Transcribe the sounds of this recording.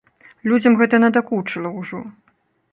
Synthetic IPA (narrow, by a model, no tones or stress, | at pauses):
lʲud͡zʲɐmɣɛt̪ɐnɐd̪akut͡ʂɨlˠɐwʐɔ